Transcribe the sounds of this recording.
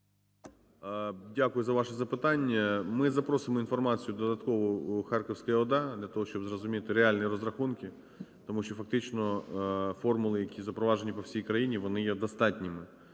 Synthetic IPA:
dʲakʊjʊzɐʋɑʂɛzɐpɪt̪ɑnʲːɐmɪzɐpɾosɪmɔinfɔrmɑt͡sʲijʊd̪ɔd̪ɐt̪kɔʋʊxɑrkɔwsʲkɐɐɔd̪ɑd̪lʲɐt̪ɔɦɔʃt͡ʃɔbzrɔzʊmʲit̪ɪɾealʲnɨiɾɔzrɐxunkʲɪ | t̪ɔmuʃt͡ʃɔfɐk̚t̪ɪt͡ʃnɔ | fɔrmʊlˠɪjɐkʲizɐpɾɔʋɑʒenʲipɔwsʲijkɾɐjinʲiʋɔnɪjɛd̪ɐst̪ɑtʲnʲɪmɪ

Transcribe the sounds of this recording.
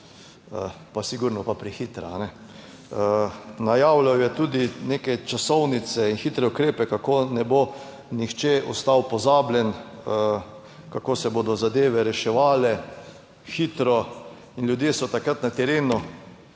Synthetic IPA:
ə | pasiɡuːɾnɔpapɾixit̪ɾa̰anɛ | najawlawjɛt̪uːd̪ineːkɛt͡ʃasɔwnit̪sɛinxit̪ɾɛʊkɾeːpɛkakoːnɛbo | nixt͡ʃɛɔst̪awpɔzaːblʲjɛn | kakoːsɛbod̪ɔzad̪eːʋɛɾɛʃɛʋaːlɛ | xit̪ɾɔ | inljud̪jeːsɔt̪akɾat̪nat̪ɛɾeːnu

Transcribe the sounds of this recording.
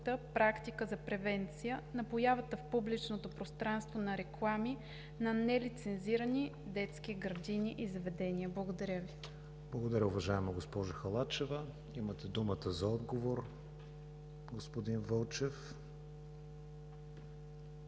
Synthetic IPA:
t̪əpɾakt̪ikəzɐpɾɛvɛnt̪sijənɐpojavət̪əfpublit͡ʃnot̪opɾost̪ɾanst̪vonɐɾɛklˠami | nɐnɛlit̪sɛnziɾəni | d̪ɛt̪sk̟iɡɾɐd̪iniʔizɐvɛd̪ɛniəblˠəɡod̪ɐɾʲjəvi | b̥lˠɐɡod̪ɐɾʲəʊvɐʒaɛmɐɡospɔʒoxɐlˠat͡ʃɛvə | imət̪ɛd̪umət̪əzɐɔd̪ɡovoɾ | ɡospod̪invəlˠt͡ʃɛf

